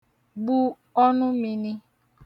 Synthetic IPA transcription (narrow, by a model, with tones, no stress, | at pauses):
bu˦ | ɔ˦nʊ̃˦mĩ˨nĩ˦